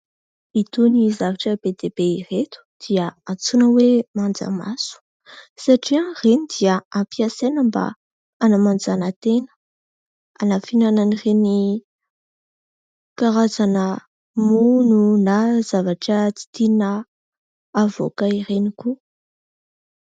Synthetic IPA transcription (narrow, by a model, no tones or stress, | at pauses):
it̪unizavaʈ͡ʂəbed̪ebeiret̪u̥d̪̥iəat͡sunəwemand͡za̰ma̰su̥ | saʈ͡ʂianrenid̪iəampiasenəmba̰ | anamand͡zanət̪enə̥ | a̰nafinananireni | kaɾazanə | mununazavaʈ͡ʂət͡si̥t̪ina | avo̰kaireniku